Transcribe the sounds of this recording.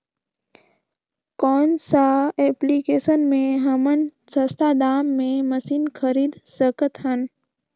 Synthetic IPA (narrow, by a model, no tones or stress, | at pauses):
kɔːnsaeplikesənmẽɦəmənsəst̪ʰad̪aːmːẽməsiːnkʰəɾiːd̪səkət̪ɦən